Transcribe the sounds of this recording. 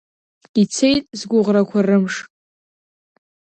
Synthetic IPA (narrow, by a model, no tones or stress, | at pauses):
it͡sʰe̞jtʼzɡʷʊʁrakʷʰarɨmʂ